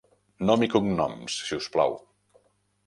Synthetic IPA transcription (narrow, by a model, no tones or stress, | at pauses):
nɔmikuŋnɔ̰msʃiuspla̰w